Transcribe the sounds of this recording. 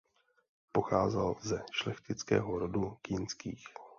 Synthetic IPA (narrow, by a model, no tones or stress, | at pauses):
po̞xaːzɛlzɛʃlɛxt̪ɪt͡skɛ̰ːɦoɾodukiːnskiːx